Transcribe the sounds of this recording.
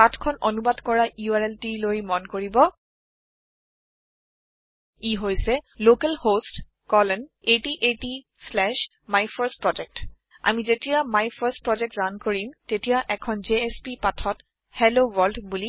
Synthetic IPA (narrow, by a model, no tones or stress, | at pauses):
atʰkʰɔnonubadkɔɹajuaɹɛltilojmɔnkoɹibɔ | iɦojsɛlokɛlhost | kɔlɛnetiʔeti | slɛʃ | majpʰaɹspɹɔd͡ʒɛk̚t | a̰mizetijamajpʰastpɹɔd͡ʒɛk̚tzankoɹimtetijaʔɛkʰɔnzeespipatʰɔt | hɛlowɔldbuli